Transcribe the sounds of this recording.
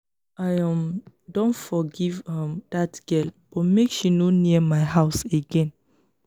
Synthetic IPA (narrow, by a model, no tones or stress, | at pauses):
ʔajɔm | dõnfɔɡivɛ̃md̥atɡ̥ɛlbɔmekʃinoniəmaɪhaʊseɡɛ̃n